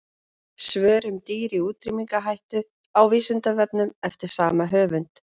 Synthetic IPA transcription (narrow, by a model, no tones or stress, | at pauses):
svœːɾʏmt̪iːɾiuːt̪ɾimiŋkaɦajht̪ʏ | awviːsʏnt̪avɛp̚nʏmɛft̪ɪɾ̥saːmaɦœːvʏnt̪